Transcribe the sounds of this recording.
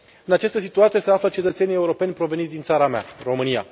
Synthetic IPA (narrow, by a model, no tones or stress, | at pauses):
ɨnat͡ʃast̪əsit̪uat̪sije̞se̞aflət͡ʃe̞t̪ət̪se̞nije̞uɾo̞pe̞nʲpɾo̞venit̪d̪int̪saɾamea̰ro̞mɨnija̰